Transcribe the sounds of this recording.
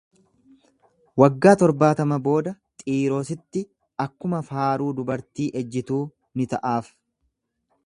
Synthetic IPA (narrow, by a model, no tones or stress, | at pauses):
wɐɡːaːt̪ɔɾbaːt̪ɐmɐbo̞ːd̪ɐt̪ʼiːɾo̞ːsɪt̪ːɪ | ɐkːʊmɐfaːɾuːd̪ʊbɐɾt̪iːʔɛd͡ʒːɪt̪uː | nɪt̪ɐʔaːf